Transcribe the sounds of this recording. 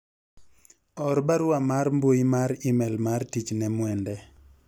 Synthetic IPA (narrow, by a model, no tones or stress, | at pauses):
ɔɾbaɾʊamaɾmboimaɾimɛlmartit͡ʃnɛmwɛndɛ